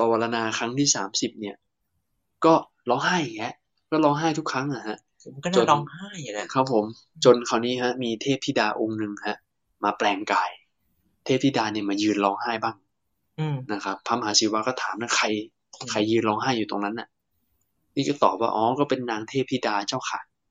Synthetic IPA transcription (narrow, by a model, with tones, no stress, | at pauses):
pa˧wa˧la˧naː˧kʰa˦˥ŋt̪ʰiː˥˩saː˩˦msi˨˩p̚ni˥˩ɐ | kɔː˥˩ | lɔː˧ŋɦaː˥˩jŋɛ˦˥ʔ | kɔː˥˩lɔː˧ŋɦaː˥˩jt̪ʰu˦˥kʰːa˦˥ŋʔa˨˩ha˦˥ʔ | t͡ɕo˧n˧a˥˩kʰa˦˥pʰːo˨˩˦m | t͡ɕo˧nkʰa˧˥˩wniː˦˥ha˦˥miː˧t̪ʰeː˥˩p̚t̪ʰiː˥˩daː˧ʔo˧ŋnɯ˧ŋha˦˥ʔ | maː˧plɛː˧ŋkaː˧j | t̪ʰeː˥˩p̚t̪ʰiː˥˩daː˧ni˥˩ɐmaː˧jɯː˧nlɔː˧ŋɦaː˥˩jbaː˥˩ŋ˧ | na˦˥kʰa˦˥p̚tʰa˧˩mɦaː˩˦si˨˩˦waː˧kɔː˥˩t̪ʰa̰ː˩˦mna˥˩kʰa˧j | kʰa˧jːɯː˧nlɔː˧ŋɦaː˥˩jːuː˨˩t̪o˧ŋna˦˥nʔa˨˩ | niː˥˩kɔː˥˩t̪ɔ̰ː˨˩p̚waː˥˧˩ʔɔː˨˦kɔː˥˩pe˧nːaː˧ŋt̪ʰeː˥˩p̚t̪ʰiː˥˩daː˧t͡ɕaː˥˩wkʰaː˨˩˦j